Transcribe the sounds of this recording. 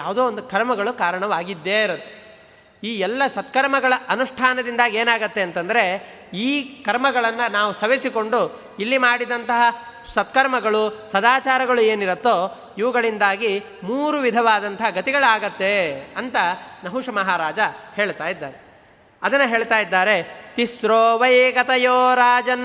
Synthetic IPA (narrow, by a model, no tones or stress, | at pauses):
jaːʋud̪oːond̪ukɐɾmɐɡɐɭukaːɾɐɳɐʋaːɡid̪ːeːɾɐt̪ːe | iːɛlːɐsɐt̪kɐɾmɐɡɐɭɐʔɐnuʂʈʰaːnɐd̪ind̪aːɡeːnaːɡɐt̪ːe̞ɐnt̪ɐnd̪ɐɾe | iːkɐɾmɐɡɐɭɐnːɐnaːʋusɐʋesiko̞ɳɖu | ilːimaːɽid̪ɐnt̪ɐɦɐ | sɐt̪kɐɾmɐɡɐɭusɐd̪aːt͡ʃaːɾɐɡɐɭue̞ːniɾɐt̪ːoː | iʋɐɡɐɭind̪aːɡi | muːɾuʋid̪ʱɐʋaːd̪ɐnt̪ɐɦɐɡɐt̪iɡɐɭaːɡɐt̪ːe̞ɐnt̪ɐnɐɦuʂɐmɐɦaːɾaːd͡ʒɐhe̞ːɭt̪aːjid̪ːaːɾe | ɐd̪ɐnːɐɦe̞ːɭt̪aːjid̪ːaːɾe̞t̪isɾoːʋɐjɡɐt̪ɐjoːɾaːd͡ʒɐn